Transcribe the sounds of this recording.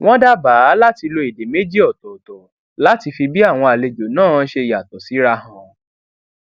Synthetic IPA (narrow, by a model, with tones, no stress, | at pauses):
w̃ɔ̃˦da˦baː˨˦la˦ti˧lo˧i˨de˨me˨˦d͡ʒi˦ɔ˦˨tɔ˨tɔ˨ | la˦ti˧fi˧bi˦a˦˨w̃ɔ̃˧a˨le˧d͡ʒo˨nãː˦˨˦ʃe˧˨ja˨tɔ˨si˨˦ɾa˧ɦã˨˧